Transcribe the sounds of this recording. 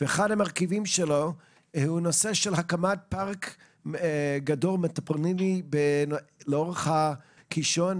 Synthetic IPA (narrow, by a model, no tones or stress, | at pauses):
veːχadhamaʁkivimʃelo | unoseʃelɦakamat̚paʁk | ɡadolmetapʁninibenleoʁeχha | kiʃon